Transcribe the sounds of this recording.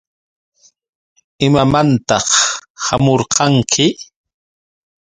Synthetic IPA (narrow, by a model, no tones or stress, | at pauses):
ɪmamant̪ɑχhamoɾqɑŋkʰɪ